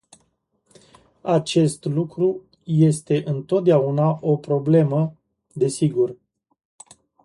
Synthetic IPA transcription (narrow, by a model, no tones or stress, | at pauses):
at͡ʃe̞st̪lukɾu | je̞st̪e̞ʔɨnt̪ot̪̚d̪eaunaʔo̞pɾo̞ble̞mə | d̪e̞siɡur